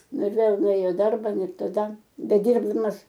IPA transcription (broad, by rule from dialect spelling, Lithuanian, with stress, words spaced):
ˈnʊ ɪr ˈʋʲeːlˠ nʊˈeːjoː ɪ ˈdɐrbɐ ˈnʊ ɪr tɐˈdɐ bʲɛˈdʲiːrbdɐmɐs